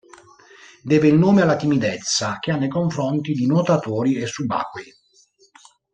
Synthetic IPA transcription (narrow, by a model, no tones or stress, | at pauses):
d̪ɛːveilnoːmealːat̪imid̪ɛt̪sːak̟eanːejkoɱfɾɔnt̪id̪inot̪at̪oːɾiesːuba̰ːkwe